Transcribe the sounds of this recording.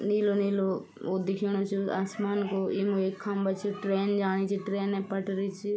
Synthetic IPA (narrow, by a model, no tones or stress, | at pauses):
niːloniːlo | od̪ɪkʰiːɽ̃ot͡ʃʰia̰ːsmaːnkoimueːkʰːambɐt͡ʃʰiʈɾeːnd͡ʒaːɽ̃it͡ʃʰiʈɾeːnẽpɐʈɾit͡ʃʰi